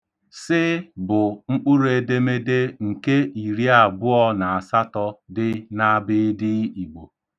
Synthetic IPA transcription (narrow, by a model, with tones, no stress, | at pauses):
sɪ˦bʊ˨ŋ͡m̩˦k͡pʊ˦ɾe˨de˦me˦de˦ŋ̩˨ke˦i˨ɾi˦a˨bʊ˦ɔ˦na˨a˨sa˦tɔ˦dɪ˦na˦bɪ˦dɪ˦i˨ɡ͡bo˨